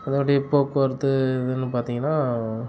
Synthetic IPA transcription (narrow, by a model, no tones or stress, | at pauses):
ɐðɐɐʈːɐɪpːoːkːɐɾt̪ːɯɪðɯnːɯpaːɾt̪iːŋɡɐnːaː